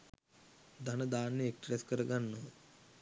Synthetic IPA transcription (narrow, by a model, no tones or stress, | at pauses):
d̪ɐnɐd̪aːnːiekʈɾeskɐɾɐɡɐnːu